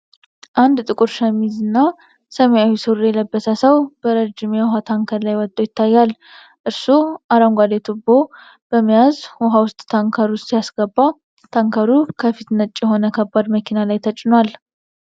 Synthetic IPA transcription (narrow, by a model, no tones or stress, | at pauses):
ʔand̪t̪ʼɨkʼuɾʃəmizɨnːa | səmejawisɨwɾjɛləbːəsəsəwb̥əɾəd͡ʒːɪmjɛwɔɦat̪ʰaŋkʰəɾlajwɔt̪ʼːojɪt̪ːajːal | ʔɨɾsuʔaɾaŋɡʷad̪et̪ʰubo̞ | b̥əmːijazhɔɦawʊst̪ʼːʰaŋkʰəɾustijasɡəbːa | t̪ʰaŋkʰəɾukʰəfit̪nət͡ʃʼːjɛɦo̞nəkʰəbːad̪məkʰinalajt̪ʰət͡ʃʼːɪnwal